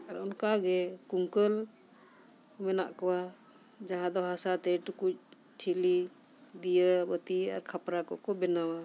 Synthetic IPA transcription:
aɾɔnkaɡɛkuŋkəl | ɔmɛna̰ʔkɔwa | d͡ʒaɦãd̪ɔɦasat̪ɛʈukuc̚ | ʈʰili | d̪ijəbət̪ia̰ɾkʰapɾakɔʔkɔbɛnawa

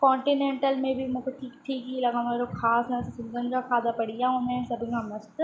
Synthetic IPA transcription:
kɔ̃ːɳʈinẽːɳʈəlmẽbʱimũkoʈʰiːk̚ʈ̪ʰiːkilɐɡameɾokʰaːsnɐssɪ̃nd̪ənkakʰaːd̪apɐɽijaõmɛ̃sɐbikamɐst̪

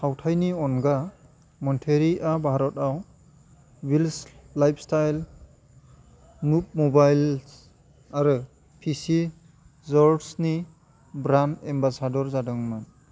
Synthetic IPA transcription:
hawtʰajniɔnɡa | mɔntʰeɾiʔabʱaɾɔtaw | wilslajpʰstajl | nup̚mɔbajl | aɾɯ | pʰisi | zɔɾsni | bɾanembasadɔɾzadɔŋman

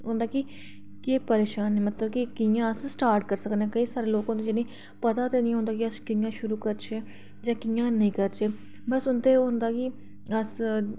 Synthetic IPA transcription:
ɦõːnd̪aːkɪ | keːpəɾeːʃaːnːeːmət̪ləbkɪkɪjãːəssʈaːɾʈkəɾsəkənɛ̃ːkəiːsaːɾeːloːkõːd̪eːd͡ʒɪnĩː | pət̪aːt̪eːnĩːɦõːnd̪aːk̬ɪəskijãːʃʊɾuːkəɾt͡ʃʰeː | d͡ʒãːkɪjãːnəĩːkəɾt͡ʃeː | bəsʊnt̪eːoːɦʊnd̪aːkɪ | əs

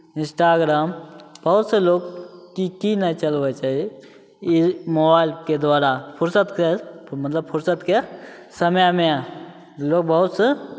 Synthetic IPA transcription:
ɪ̃nsʈaːɡɾaːmb̥ɐɦʊt̪seloːɡkikinait͡ʃɐlʋet͡ʃaːɦie | moːbaːɪlked̪waːɾapʰʊɾsət̪kemɐt̪ləb̚pʰʊɾsət̪ke | sɐmjmẽa | loːɡ̚bɐɦʊt̪se

